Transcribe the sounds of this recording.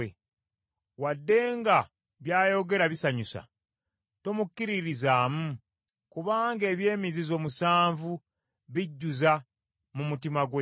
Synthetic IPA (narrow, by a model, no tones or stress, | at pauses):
e | wadːe̞ːŋɡa | βjaːjo̞ɡe̞ɾaβisaɲusa̰ | tomukːiɾiɾizaːmu | kuβaːŋɡe̞ːβje̞ːmizizo̞ːmusaːɱvu | βiɟːuza | mumutimaɡwe